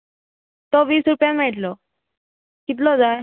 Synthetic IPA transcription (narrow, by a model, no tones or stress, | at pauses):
t̪ɔʋiːsɾupjam̤ɛʈlɔ | kit̪̬lɔd͡za